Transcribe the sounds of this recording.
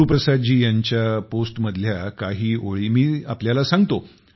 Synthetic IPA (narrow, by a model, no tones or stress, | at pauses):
upɾəsad̪d͡ʑiːjaɲt͡ɕjaposʈməd̪ʱljakaɦiːʔoɭiːmiːapljalasãŋɡt̪o